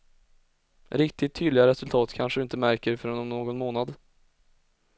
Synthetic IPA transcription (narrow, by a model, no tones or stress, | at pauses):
ɾɪk̚t̪ɪt̪ʰːyːd̪lɪɡaɾɛsɵlt̪ʰɑːt̪kʰanʂəd̪ɵɪnt̪əmæɾkəɾfœɾɛnmnoːɡɔnmoːnad̪